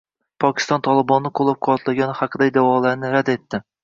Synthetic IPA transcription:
pʰɒkʲʰɪ̥st̪ɒnt̪ʰɒlˠɪbɒnːɪqʰolˠːap̚qʰʊɒt̪laɡʲanhɑqʰɨd̪aɪd̪awɒlˠaɾnɪɾad̪e̞t̪ːɪ

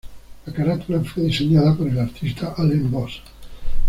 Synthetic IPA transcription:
lakaɾat̪ulafeðiseɲaðəpəɾelaɾt̪ʰist̪ʰaʔalembɔs

